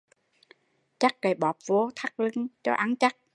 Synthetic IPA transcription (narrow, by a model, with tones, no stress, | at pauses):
t͡ɕa˦˥k̚ːə˨˩ɓɔː˨˩p̚vo˧t̪ʰa˦˥k̚lɨ˧ŋt͡ɕɔ˧ʔa˨˧˦nt͡ɕa˦˥k̚